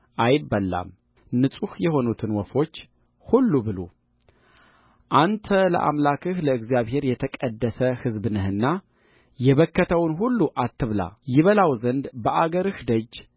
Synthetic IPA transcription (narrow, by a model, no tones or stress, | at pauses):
ʔajɪbːəlːa̰m | nɨsʼuhjɛho̞nut̪ʰɨnwɔfo̞t͡ʃː | hulːubɨlo̰ | ʔant̪ʰələ̰ʔa̰mlakʰɨhləɨɡzijaβhe̞ɾjɛt̪ʰəkʼəd̪ːəsəhɨzbɨnɨhɨnːa | jɛβəkːət̪ʰəwnɦulːuʔat̪ʰːɨβla̰jɪβəlawzənd̪bəʔaɡəɾɨhd̪əd͡ʒː